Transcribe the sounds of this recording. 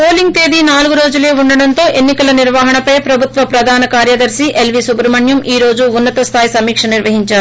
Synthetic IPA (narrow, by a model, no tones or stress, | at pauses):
po̞ːliŋɡ̚t̪e̞ːd̪inaːlɡuɾo̞ːd͡ʒule̞ːuɳːɐɽɐnt̪o̞ːʔe̞nːikɐlɐniɾʋaːɦɐɳɐpɐjpɾɐbʱut̪ʋɐpɾɐd̪ʱaːnɐkaːɾjɐd̪ɐɾsiʔelʋisubɾɐmɐɳjɐmiːɾo̞ːd͡ʒuːnːɐt̪ɐst̪ʰaːjsɐmiːkʂɐniɾʋɐɦiɲt͡ʃaːɾu